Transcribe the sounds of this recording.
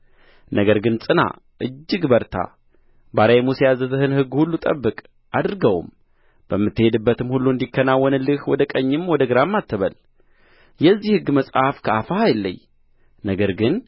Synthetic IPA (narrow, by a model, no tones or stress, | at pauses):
nəɡəɾɡɨnsʼɨna̰ | ʔɨd͡ʒːɨɡbəɾt̪ʰa̰ | baɾajmusejazəzɨhɨnhɨɡːhulːut̪ʼə̰bːɨkʼ | ʔad̪ɾɨɡəw̰m | b̥əmːɨt̪ːɨhe̞d̪ɨbːət̪ɨmhulːuɨnd̪ikːənawːɔnlɨhwɔd̪əkʼəɲːɪmwɔd̪əɡɨɾamːat̪ʰːɨβəl | jɛzːihɨɡːməsʼhafkʰəafahajɛlːə̰ɲ | nəɡəɾɡɨn